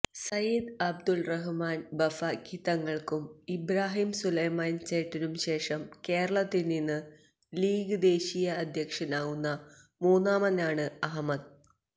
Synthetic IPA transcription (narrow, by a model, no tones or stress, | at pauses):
sɐjid̪ɐb̚d̪ulrɐɦumaːnbɐfɐkiːt̪ːɐŋːɐɭkumibɾaːɦimsulɐjmaːnt͡ɕeːʈːinumɕe̞ːʂɐmke̞ːɾɐɭɐt̪ːilninːɨ | liːɡɨd̪e̞ːɕijɐːd̪ʱjɐkʂɐnaːɣunːɐ | muːnːaːmɐnaːɳɨɐɦɐmːɐd̪̚